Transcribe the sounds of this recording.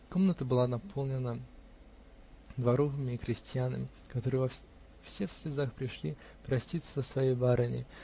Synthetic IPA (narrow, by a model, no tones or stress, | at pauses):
ko̞mnət̪əbɨlˠanɐpʰo̞lˠnʲɪnə | d̪vɐɾovɨmʲɪːxɾʲɪsʲtʲjanə̰mʲɪ | kɐt̪o̞ɾɨjəvɐ | fsʲefsʲlʲɪzaxpɾʲɪʂlʲi | pɾɐsʲtʲit̪səzəsvɐjejbaɾanʲɪ̰